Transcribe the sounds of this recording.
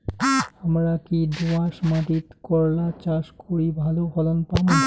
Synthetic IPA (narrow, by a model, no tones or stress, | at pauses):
amɾakid̪oaʃmad̪it̪kɔɾlat͡ɕaʃkoɾibʱalofɔlonpam